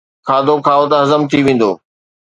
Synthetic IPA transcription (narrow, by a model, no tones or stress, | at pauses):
kʰaːd̪okʰaːot̪ɐɦɐzəmt̪ʰiʋẽːn̆d̪oː